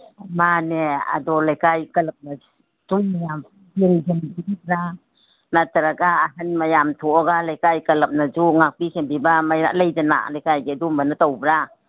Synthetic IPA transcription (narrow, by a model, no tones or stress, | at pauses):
manea̰dɔlajkajkɐlɐp̚na | duŋmajam | beŋd͡ʒenbibibɾa | nataɾaɡaːɦanmajamtʰuɔɡalajkajkɐlɐp̚nad͡ʒuŋak̚pisembibamaja̰lajd͡ʒana̰lajkajɡedumbanatawbɾa